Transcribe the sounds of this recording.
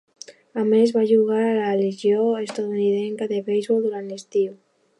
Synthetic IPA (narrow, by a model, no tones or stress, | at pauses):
amezβaʒuɣ̞aɾalaeliʒjoest̪at̪uniðɛŋkaðeβejzβɔlˠd̪uɾant̪est̪iw